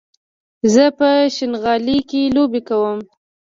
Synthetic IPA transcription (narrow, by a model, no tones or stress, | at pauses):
zəpəʃɪnɣɑlikelobekawəm